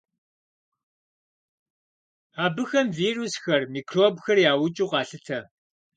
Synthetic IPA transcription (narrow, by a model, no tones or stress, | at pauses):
aːbɨxɐmviːrusxɐrmiːkʰroːbxɐrjaːwʊt͡ʃʼuːqɑːɬɨtʰɐ